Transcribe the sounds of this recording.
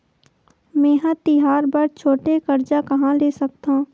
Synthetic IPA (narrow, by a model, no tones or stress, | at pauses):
mɛ̃ːɦãt̪ɪɦaːɾbɐɾt͡ʃʰoːʈekɐɾd͡ʒakɐɦãleːsɐkt̪ãː